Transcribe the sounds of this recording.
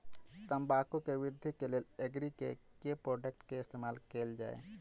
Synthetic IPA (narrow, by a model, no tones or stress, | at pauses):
t̪əmbaːkõkeʋɪɾd̪ʱikeleleɡɾikḛkepɾoːɖək̚ʈkeɪst̪eːmaːlkeːld͡ʒaːḛː